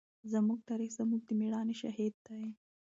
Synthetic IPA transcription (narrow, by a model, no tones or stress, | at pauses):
zamuɡ̚t̪aɾixz̥amuɡ̚d̪əmiɽɑneʃahid̪̚ːa